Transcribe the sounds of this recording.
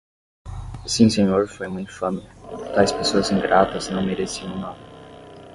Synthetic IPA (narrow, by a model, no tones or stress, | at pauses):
sĩsẽɲoɾfojm̃ũĩfɐ̃met̪ajspesoɐzĩŋɡɾat̪ɐznɐ̃w̃meɾesiɐ̃w̃nad̪ɐ